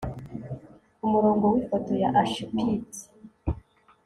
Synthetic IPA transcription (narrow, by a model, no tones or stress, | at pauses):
umuɾoːŋɡowifotojaʔaʃupiti̥